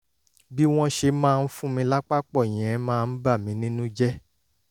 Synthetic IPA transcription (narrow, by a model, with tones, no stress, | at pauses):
bi˦w̃ɔ̃˦ʃe˧mãː˦˧n̩˦fũ˦mĩ˧la˦k͡pa˦k͡pɔ˦˨j̃ɛ̃˨˦mãː˦˧n̩˦ba˦˨mĩ˨˦nĩ˦nũ˦d͡ʒɛ˦